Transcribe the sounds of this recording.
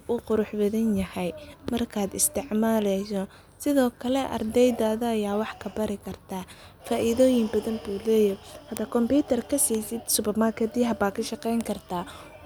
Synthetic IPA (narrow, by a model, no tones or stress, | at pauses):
ʊqʊɾʊħbɐðɐnjɐhɛjmɐrkʰaːd̪ɪst̪ʰɪʕmaːlɛsɔ | sɪðɔːkʰɐlɛʔɐ̰rd̪ɛjd̪aːðɐːjaːwɑħkʰɐbɐɾɪkʰɐrt̪ʰaː | faːʔɪðɔːjɪŋbɐðɐmbuːlɛːjɐhɐd̪ɐkʰɔmpiːt̪ʰɐrkʰɐsiːsɪd̪sʊbɐmɐrkʰɛd̪iɦɐbaːkʰɐʃɑqɛjŋkʰɐrt̪ʰaː